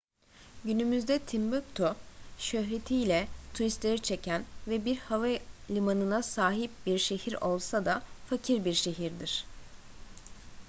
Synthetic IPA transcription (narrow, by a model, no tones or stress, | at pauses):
ɟynymyzd̪ɛt̪ʰimbøk̚t̪ʰoʃøɦɾe̞t̪ʰijlʲɛt̪ʰuɾist̪lʲeɾit͡ʃʰe̞cʰænvɛbiɾhavalʲimanɯnasaːɦip̚biɾʃe̞hiɾo̞lˠsad̪afacʰiɾbiɾʃe̞ɦiɾd̪iɾ̥